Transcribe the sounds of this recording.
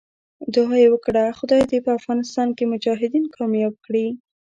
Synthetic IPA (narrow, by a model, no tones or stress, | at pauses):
d̪oɑjewəkɽaxʊd̪ɑjd̪epəafɣɑnɪst̪ɑnkemʊd͡ʒɑɦɪd̪inkʰɑmjɑb̚kɽi